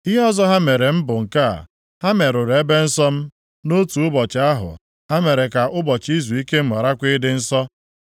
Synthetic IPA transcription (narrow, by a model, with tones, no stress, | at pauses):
i˦ɦɔ˦zɔ˦ɦa˦me˨ɾe˨m̩˦bʊ˨ŋ̩˨ka̰˦˨ | ha˦me˨ɾʊ˨ɾe˦be˦n̩˦sɔ˦m̩˦ | no˦tu˨ʊ˦bɔ˨t͡ʃa˦ɦʊ̰˨ | ha˦me˨ɾe˨ka˨ʔʊ˦bɔ˨t͡ʃi˦zu˨i˦ke˦m̩˦ma˨ɾa˦kʷɪ˦dɪ˦n̩˦sɔ˦